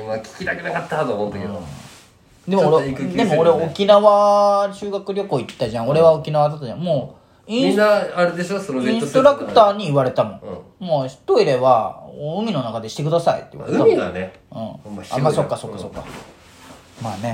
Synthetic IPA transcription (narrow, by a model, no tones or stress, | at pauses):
makʲi̥kʲit̪akenakat̪ːat̪omot̪ːoke | d̪e̞mɾdd̪e̞moːɾeokʲinaβaɕɨːɡakɯ̟ɾʲo̞koit̪ːaʑãŋ̃o̞ɾe̞βao̞kʲinaβad̪at̪ːaʑã̰moː | ĩaaɾed̪eɕosonoẽoo̞ɾakɯ̟̥t̪aːɲ̟iːβaɾe̞t̪amõ̞moçi̥t̪o̞iɾe̞βaoɯ̟mʲino̞nakad̪e̞ɕi̥t̪e̞k̬ɯ̟d̪asaḭt̪ːeḭβa̰ɾeamʲid̪ane | ɯ̟̃ːa̰maso̞kːaso̞kːasokːa̰ | maːne̞